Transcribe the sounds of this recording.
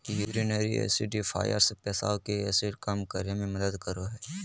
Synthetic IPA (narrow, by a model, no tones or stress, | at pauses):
juːɾineːɾiɛ̰ːsiɖifʰa̰ːjə̰ɾspɛːsa̰ːokeɛːsiɖkamkəɾemẽmɐd̪əd̪kəɾoɦɛː